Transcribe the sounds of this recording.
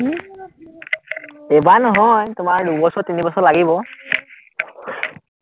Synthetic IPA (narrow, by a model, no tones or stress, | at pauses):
ɛbanɔɦɔjtʊmaɹdubɔsɔtinibɔsɔlaɡibɔ